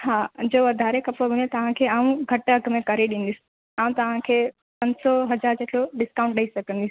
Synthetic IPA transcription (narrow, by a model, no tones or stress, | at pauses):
haːd͡ʑoːʋɐd̪ʱaːɾekɐpɽob̃ʱnet̪ɐʋ̤ãkʰeːaːũɡʱɐʈɐɡʱmẽkɐɾeɗĩn̆d̪ɪsi̥ | aːũt̪ɐʋ̤ãkʰeː | pɐ̃ɲsɔɦɐd͡ʑaːɾd͡ʑeːʈʰloɗɪskãːʊ̃ɳʈ̚ɗɐisɐɡʱə̃nd̪isi̥